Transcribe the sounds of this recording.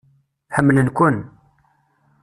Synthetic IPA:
ħəmːlənkʷʊn

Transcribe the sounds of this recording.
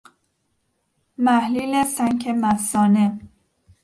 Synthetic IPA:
mæhliːlesæŋkʰemæsɒːne

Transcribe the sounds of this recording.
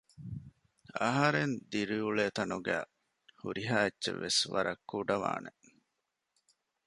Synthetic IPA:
ɐɦɐɾend̪iɾiuɭeːt̪ɐnuɡæ̰ː | huɾiɦaːetːt͡ʃḛʋːesʋɐ̰ɾɐkːuɖɐʋa̰ːne

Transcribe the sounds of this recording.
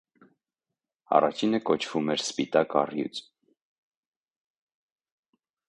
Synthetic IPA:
ɑ̰rɑt͡ʃʰinəkɔt͡ʃʰv̥umɛɾspit̪ɑkɑrjṵt͡s

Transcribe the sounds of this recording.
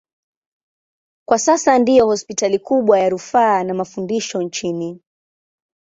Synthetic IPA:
kwasasandijɔhɔspitalikuɓwajaɾufaːnamafundiʃɔnt͡ʃini

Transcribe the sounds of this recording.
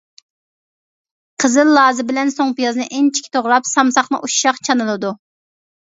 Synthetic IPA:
qʰəzɨlˠːɑːzɨbɪlɛnsoŋpijɑznɨʔæŋt͡ʃʰi̥kʲi̥t̪ʰoʁɾɑpsɑmsɑχnɨ̰ʔuʃʃɑχt͡ʃʰɑnɨlˠɨd̪u

